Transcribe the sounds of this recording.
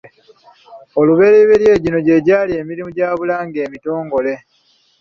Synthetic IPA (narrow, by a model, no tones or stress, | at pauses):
oluβe̞ɾeβeɾje̞ːɟino̞ɟe̞ɟaːlie̞ːmiɾimuɟaːβulaːŋɡe̞ːmito̞ːŋɡo̞le̞